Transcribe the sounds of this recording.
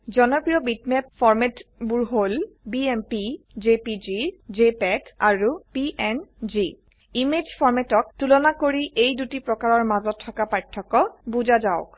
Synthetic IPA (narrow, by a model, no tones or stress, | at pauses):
zɔnɔpɹijɔbitmɛpfʰɔɹmɛtbuɹɦolbiɛmpi | zepid͡ʒizepɛkaɹupiʔɛnd͡ʒi | imed͡ʒfʰɔɹmɛtɔk̚tulɔnakoɹiʔejdutipɹɔkaɹɔɹmazɔtʰːɔkapaɹtʰːɔkɔbuzazaʊk